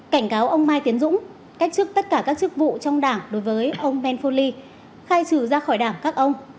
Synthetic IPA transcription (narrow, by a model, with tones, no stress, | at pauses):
ka˧˩jŋ̟kaː˨˦wʔə˧wŋ͡mmaː˧jt̪i˨˦ənzʊ̰˧˥ŋ͡m | ka˦˥jk̚t͡ɕɨ˦˥k̚t̪ə˦˥t̚kaː˧˩kaː˦˥k̚t͡ɕɨ˦˥k̚vṵ˧˨t͡ɕɔ˧wŋ͡mɗaː˧˩ŋɗo˨˦jvəː˨˦jʔə˧wŋ͡mmɛ˧nfo˧li˧ | xaː˧jt͡ɕɨ˧˩zaː˧xɔ˧˩jɗaː˧˩ŋkaː˦˥k̚ʔə˧wŋ͡m